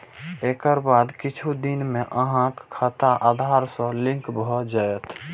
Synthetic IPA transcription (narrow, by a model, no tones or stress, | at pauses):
ekəɾbad̪kɪt͡ʃʰud̪inmẽʔəɦãkkʰət̪aʔad̪ʱaɾsə̃lɪ̃ŋkbʱɔd͡ʒaət̪ʰ